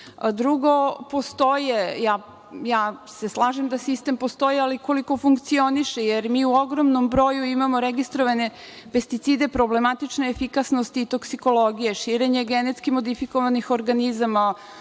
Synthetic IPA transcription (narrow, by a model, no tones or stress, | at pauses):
d̪ɾuɡo̞po̞st̪o̞jejaː | jaːse̞slˠaːʒemd̪asist̪e̞mpo̞st̪o̞jialiko̞liko̞fuŋkt̪sio̞niʃejeɾmiːuo̞ɡɾomnombɾo̞ːjuimamo̞ɾeɡist̪ɾoʋane̞ | pe̞st̪it̪siːd̪e̞pɾo̞ble̞mat̪it͡ʂneːfikasnost̪iːt̪o̞ksiko̞lo̞ɡije̞ʃiːɾe̞ɲe̞ɡenet̪skimo̞d̪ifiko̞ʋanixo̞ɾɡanizama